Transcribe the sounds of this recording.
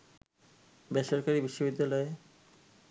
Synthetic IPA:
beʃoɾkaɾibiʃːobid̪ːalɔe

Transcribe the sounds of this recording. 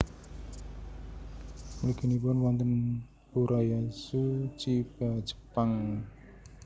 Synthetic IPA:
meɡ̥i̤nipʊnwɔnt̪ən | puɾʔajasut͡ʃib̥a̤̥ʒ̥ə̥paŋ

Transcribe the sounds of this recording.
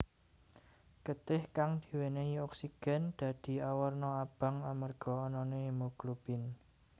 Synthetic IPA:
kət̪ɪhkaŋd̪̥i̤weneiɔksiɡ̥a̤nd̪̥a̤d̪̥i̤awərnɔab̥a̤ŋamərɡ̥ɔ̤ːnɔnemuɡlub̥ɪn

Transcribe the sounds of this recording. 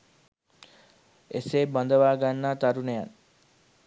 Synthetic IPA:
eseband̪əʋaːɡanːaːt̪aɾuneja̰n

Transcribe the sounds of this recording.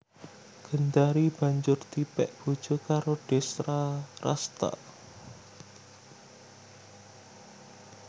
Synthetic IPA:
ɡ̥ənd̪aɾib̥a̤ɲd͡ʒʊrt̪ipɛʔb̥o̤d̥d͡ʒ̥o̤kaɾoɖ̥est̪ɾara̰st̪a̰ʔ

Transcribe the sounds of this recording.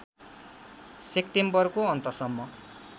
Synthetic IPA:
sekʈembʌrkoʌnt̪ʌsʌmːʌ

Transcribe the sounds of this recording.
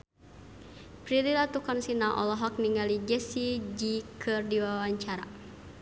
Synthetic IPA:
pɾiɾilat̪ukɔnsinaʔɔ̰lɔɦɔk̚niŋɡalid͡ʒɛsid͡ʒikʰɨrdiwawaɲt͡ʃaɾa̰

